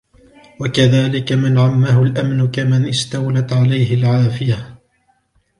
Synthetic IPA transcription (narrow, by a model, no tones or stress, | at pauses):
wakaðaːlɪkamɪnʕamːaɦʊlʔamnʊkamɪnʔɪst̪awlat̪ʕalajhɪlʕaːfɪja